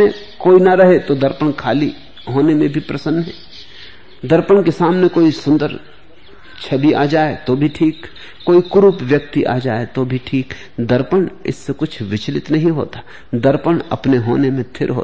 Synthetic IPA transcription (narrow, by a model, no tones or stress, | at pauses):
ẽ | koːinɐɾɐɦet̪od̪əɾpəɽkʰaːli | ɦoːnemẽbʱipɾɐsə̃nːɦɛː | d̪ɐɾpəɳ̃kesaːmnekoːisʊ̃nd̪əɾ | t͡ʃʰɐliʔa̰ːd͡ʒaːet̪obʱiʈʰiːkː | oːikʊɾupʋjək̚t̪iʔa̰ːd͡ʒaːet̪obʱiʈʰiːk | d̪əɾpəɽ̃ɪ̰sːekʊt͡ʃʰʋɪt͡ʃlɪt̪nɐɦĩɦo̰ːt̪ḁ | d̪əɾpəɽɐ̰pneɦo̰ːnemẽt̪ʰɪ̰ɾɦo̰ː